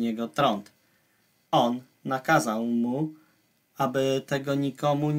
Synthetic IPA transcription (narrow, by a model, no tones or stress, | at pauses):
ɲɛɡɔt̪ɾɔnt̪ | ɔnː | akazawmu | abɘt̪ɛɡɔɲikɔmu